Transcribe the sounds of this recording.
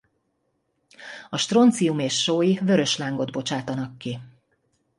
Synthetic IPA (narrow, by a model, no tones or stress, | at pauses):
ɒʃt̪ro̞nt̪sijumeːʃːoːjivø̞ɾø̞ʃlaːŋɡo̞d̪bo̞t͡ʃaːt̪ɒnɒkːi